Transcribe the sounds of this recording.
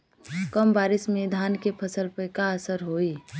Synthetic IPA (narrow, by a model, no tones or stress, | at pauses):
kəmbaːɾɪsmẽd̪ʱaːnkepʰəsəlpəjkaəsəɾɦoːiː